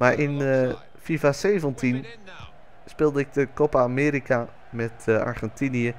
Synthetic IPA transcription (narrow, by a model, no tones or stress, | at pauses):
maɹʔɪn | fifaseːvəntʰin | spɪlˠdəɪk̚dəkopaːmeːɾika | mɛta̰ɹχɛntiniə